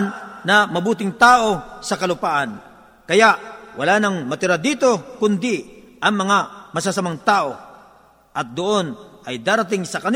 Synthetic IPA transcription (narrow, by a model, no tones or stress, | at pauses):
nːɐmɐbuːt̪ɪŋt̪aːʔo̞sɐkɐlʊpaːʔan | kɐjaʔwʔɐlaːnɐŋmɐt̪ɪɾad̪iːt̪o̞kʊnd̪ɪ | ʔɐŋmɐŋamɐsasɐmaŋt̪aːʔo̞ | ʔɐt̪̚d̪oʔo̞nɐjd̪aːɾɐt̪̬ɪŋsɐkɐn